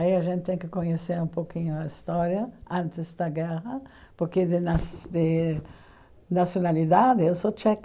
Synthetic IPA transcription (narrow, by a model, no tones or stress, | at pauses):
iɐʒẽnt̪ɪt̪ẽŋ̃kɪkoɲeseɾũmpowkĩɲʊɐist̪ɔɾjɐãnt̪ɪzd̪ɐɡɛʁɐ | poɾked̪ɪnad̪ɪ | nasjonalid̪ad̪ɪewsot͡ʃɛk